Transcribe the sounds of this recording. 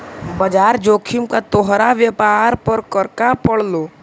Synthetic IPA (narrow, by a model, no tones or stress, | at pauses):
bɐd͡ʒaːɾd͡ʒoːkʰɪmkat̪oɦɾaʋjəpaːɾpəɾkəɾkapəɽ̤loː